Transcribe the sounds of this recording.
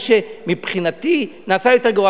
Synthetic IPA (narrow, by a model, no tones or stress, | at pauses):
ʃemipχinat̪i | naːsajo̞teʁɡoa